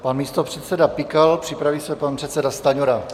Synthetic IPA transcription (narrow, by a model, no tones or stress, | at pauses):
panmiːst̪opr̝̥ɛt̪sɛdapɪkalpr̥ɪpɾavisɛpanpr̥ɛt̪sɛdast̪aɲuɾa